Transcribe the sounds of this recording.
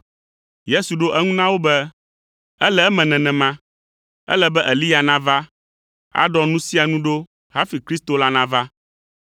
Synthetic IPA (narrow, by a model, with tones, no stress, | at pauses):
je˦su˨ɖo˦ʔɛ˦ŋũ˦nã˦wo˦bɛ˦ | ɛ˦lɛ˦ɛ˦mɛ̃˨nɛ̃˨nɛ̃˨mã˦ | ɛ̰˦lɛ˨bɛ˦ʔɛ˨li˦ja˨nã˦va˦ | a̰˦ɖɔ˦nũ˦si˦a˨nũ˦ɖo˦ | ha˦fi˨kɾi˦st̪o˨la˦nã˦va˦